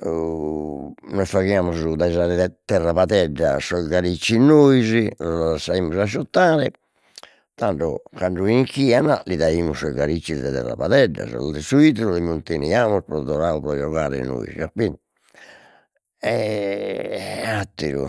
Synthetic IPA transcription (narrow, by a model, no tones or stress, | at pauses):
nɔjfaɣiaːmuzud̪aɛzaɾɛɛt̪ɛrːapat̪ɛɖːa̰sɔɡaɾit͡ʃːinːojziɔasaiːmuzaʃut̪ːaːɾɛ | t̪aɳɖɔ̰kaɳɖuiŋkiːanaliðaiːmusɔɡaɾit͡ʃːild̪ɛt̪ɛ̰rːa̰pat̪ɛɖːa̰zɔ̰lɔd̪ɛsuit̪ɾulimunt̪eniaːmuspɾɔd̪ɔɾaːupɾɔd͡ʒɔɣaːɾɛ̰no̰ːḭzḭapːin | ɛ | at̪ːḭɾṵ